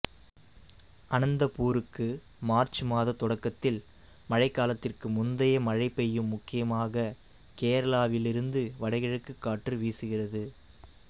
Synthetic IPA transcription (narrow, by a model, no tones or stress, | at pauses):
ʔɐnɐnd̪ɐpuːɾɯkːɯ | maːɾt͡ʃɯmaːðɐt̪ɔɽɐkːɐt̪ːɪl | mɐɻɐɪkːaːlɐt̪ːɪrkɯmʊnd̪ɐjɐmɐɻɐɪpːɛjːɯmːʊkːɪjɐmaːɣɐ | keːɾɐlaːʋɪlɪɾɯnd̪ɯʋɐɽɐɪɣɐɻɯkːɯkːaːʈːrɯʋiːsɯɣɪrɐðɯ